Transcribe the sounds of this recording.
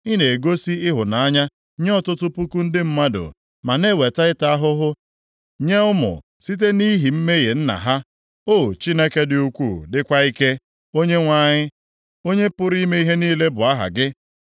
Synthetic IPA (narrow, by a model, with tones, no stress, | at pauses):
i˦ne˨e˨ɡo˦si˦ɪ˦ɦʊ˨na˨a˦ɲa˦ | ɲ˦ɔ˦tʊ˦tʊ˦pu˦ku˦n̩˦dɪ˦m̩˦ma˦dʊ̰˨ | ma˨ne˦˨we˨ta˦ɪ˦ta˦a˦ɦʊ˦ɦʊ˦ | ɲe˦ʊ˦mʊ̰˨ | si˦t̬e˦ni˦ɦi˨m̩˦me˦ɣe˨n̩˦na̰˨ɦa˦ | o˦˨t͡ʃi˦ne˦ke˦dɪ˨u˦kʷu˦˨dɪ˦kʷa˦i˦ke˦ | o˦ɲe˦ŋʷa˦˨ɲɪ˦ | o˦ɲe˦pʊ˦ɾi˦me˦i˦ɦe˦niː˦le˦bʊ˨a˦ɦa̰˨ɡɪ˦